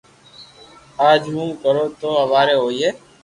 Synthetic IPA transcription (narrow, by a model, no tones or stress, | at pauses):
aːd͡ʒɦũːkəɾoːt̪oːɦəʋaːɾeːɦoːieː